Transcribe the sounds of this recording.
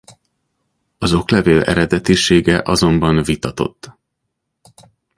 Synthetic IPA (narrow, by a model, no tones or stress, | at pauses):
ɒzo̞klɛveːlɛ̰ɾɛd̪ɛt̪iʃeːɡɛʔɒzo̞mbɒnvit̪ɒt̪o̞̰t̪ː